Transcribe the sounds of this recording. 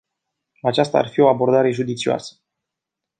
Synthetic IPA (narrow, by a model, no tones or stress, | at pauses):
at͡ʃast̪a̰ːrfio̞abo̞rd̪aɾe̞ʒud̪it̪sioa̰sə̥